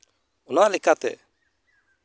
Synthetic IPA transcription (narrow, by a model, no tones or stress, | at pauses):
ɔnaʔlɛkat̪ɛ̰